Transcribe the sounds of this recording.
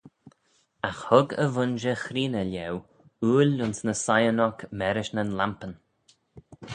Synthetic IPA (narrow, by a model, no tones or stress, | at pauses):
axhʊɡə̰vʊnʒəxɾiːnəlʲɛw | uːlʊnsnəsajənɔkmɛɾɪʃnənlampən